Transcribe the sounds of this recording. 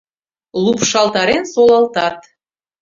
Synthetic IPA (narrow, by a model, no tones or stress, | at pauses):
lupʃɑlˠt̪ɑɾensolˠɑlt̪ɑt̪